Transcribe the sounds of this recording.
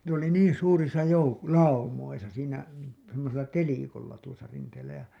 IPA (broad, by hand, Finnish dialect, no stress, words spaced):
ne oli niːn̞ suːrisɑ jouk lɑumoisɑ siːnæ semːoselːɑ telikolːɑ tuosɑ rinteːlːæ jɑ